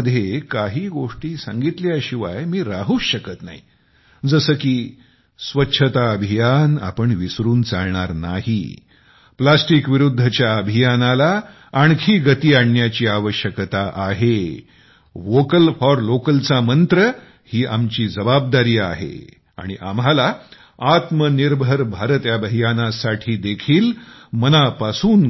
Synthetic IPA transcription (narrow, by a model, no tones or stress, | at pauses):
d̪ʱːjekaɦiːɡoʂʈiːsãŋɡit̪ljaɕiʋajmiːɾaɦuːɕəkət̪naɦi | d͡zəsəːkiː | sʋətːɕʰət̪aəbʱijana̰pəɳʋisɾuːnt͡saɭɳaɾnaɦḭ | plasʈikʋiɾud̪ʱːət͡ɕjaəbʱijanalaː | ɳkʰiːɡət̪iːaɳjat͡ɕiːaʋəɕjəkt̪aʔaɦe | ʋokəlfɔɾlokəlt͡samənt̪ɾə | hiːʔamt͡ɕiːd͡zəbab̚d̪aɾiːa̰ɦḛ | a̰ɽ̃iʔa̰mɦala | at̪məniɾbʱəɾbʱaɾət̪jabʱəɦijanasaʈʰiːd̪ekʰiːlmənapasuːn